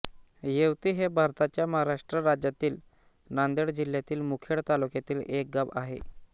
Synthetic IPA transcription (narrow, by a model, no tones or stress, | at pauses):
jewt̪iːɦebʱaɾt̪at͡ɕjaməɦaɾaʂʈɾəɾad͡ʑjat̪iːl | nand̪eɽd͡ʑiljat̪iːlmukʰeɽt̪alukjat̪iːlek̚ɡabaɦḛ